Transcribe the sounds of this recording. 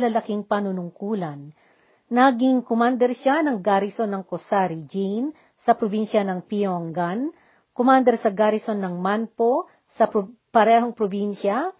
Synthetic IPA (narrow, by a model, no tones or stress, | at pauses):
lɐlɐkiŋpɐnʊnʊŋkuːlɐnː | aɡiŋkomand̪ɛɾʃanɐŋɡaɾɪso̞nːɐŋkosaɾid͡ʒin | sɐpɾobinʃɐnɐŋpioŋɡan | komand̪ɛɾsɐɡaɾɪso̞nːɐŋmanpo | sɐppɐɾɛːhoŋpɾobinʃɐ